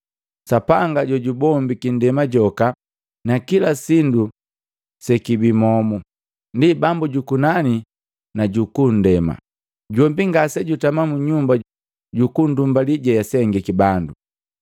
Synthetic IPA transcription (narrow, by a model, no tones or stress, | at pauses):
sapaŋɡaɟɔɟubɔmbikindɛmaɟɔka | nakilasindu | sɛkibimɔmu | ndibambuɟukunani | naɟukun̩dɛma̰ | ɟwɔmbiŋɡasɛɟutamamuɲumba | ɟukundumbaliɟajasɛŋɡɛkibandu